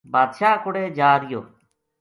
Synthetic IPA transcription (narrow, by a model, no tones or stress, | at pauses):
baːd̪ʃaːkʊɽeːd͡ʒaːɾɪjo̰ː